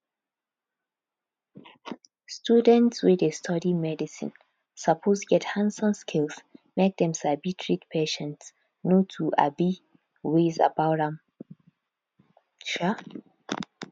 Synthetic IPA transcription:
stjudɛ̃ntswɛdestʰɔdimɛdisɪ̰̃n | sapʰoztɡɛthãnsɔ̃nskʰɪlsmek̚d̪ɛ̃msaɪbitʰɹikpʰeʃɛ̃nts | notʰua̰bi | weza̰baʊtãm | ʃa

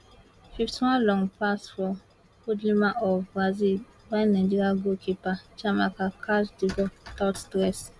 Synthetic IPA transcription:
fiftʰiwãnlɔ̃ŋpasfɔ | kudlimaʔɔvɡɹazi | bãnːãd͡ʒiɾaɡokʰipat͡ʃamakakʰasdivɔtattɾɛs

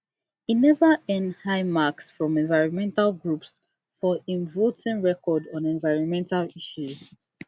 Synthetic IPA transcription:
inɛvəɛ̃ndhaɪmaksfɹɔ̃mɛ̃nvaɪɹɔ̃nmɛ̃ntalˠɡɹups | fɔĩnvotĩnɹɛkʰɔdɔ̃nɛ̃nvaɪɹɔ̃nmɛ̃ntaliʃuz̥

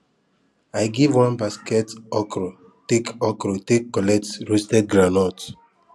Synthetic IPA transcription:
ajɡivwãnbaskɛtɔkɾo | tekɔkɾotekːɔlɛk̚tɹostɛd̚ɡɾanɔt

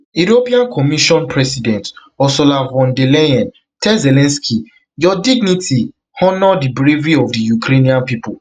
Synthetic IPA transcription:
uɾopiãnkɔmiʃɔ̃npʰɹɛsidɛ̃nt | ɔsɔlavɔ̃ndelɛɛ̃n | tɛzɛlɛ̃nskʰi | jɔdiɡniti | hɔnɔdibɹeviɔvdijukɾeniãnpipʊ

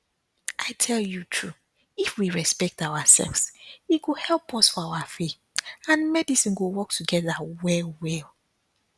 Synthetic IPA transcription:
ʔaɪtʰɛljutʰɹu | ifwiɹɛspɛk̚taʊasɛ̰lvsit̚ɡohɛlˠpʰɔsfɔawafeθ | ãnmɛdisĩnɡowɔk̚tʰuɡɛðawɛwɛl

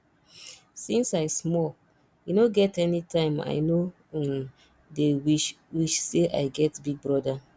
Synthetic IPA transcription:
sĩnsaɪsmɔl | junoɡɛtɛnitʰãɪ̃ma̰ɪno | dewiʃ | wiʃseʔa̰ɪɡɛtbiɡ̚bɹɔda

